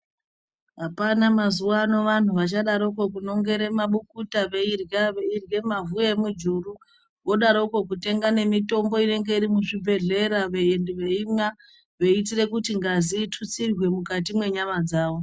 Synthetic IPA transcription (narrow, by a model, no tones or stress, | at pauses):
ɦapanamazuano̞ʋan̤uʋat͡ʃaɗaɾouko̞kuno̞ŋɡe̞ɾe̞maɓukutaʋe̞irjaʋeirje̞mavujemud͡ʒuru | wo̞ɗaɾouko̞kute̞ŋɡane̞mito̞mbo̞ine̞ŋɡe̞iɾimuʐibʱe̞ɮe̞ɾaʋe̞endiʋeima | ʋe̞it̬ire̞kutiŋɡaziːtʰut͡sirwe̞mukatimwe̞ɲamad͡zaːʋo̞